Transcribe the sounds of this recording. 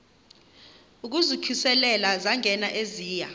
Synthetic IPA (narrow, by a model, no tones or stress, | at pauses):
uk̬uzikʰisɛlɛlazaŋʱɛnaʔeziːja